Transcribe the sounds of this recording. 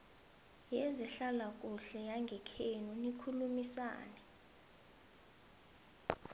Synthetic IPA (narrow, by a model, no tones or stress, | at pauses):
jɛzɛɬalak̬ʼuɬɛjaŋɡʱɛkʰenunikʰulumisa̰ːnɛ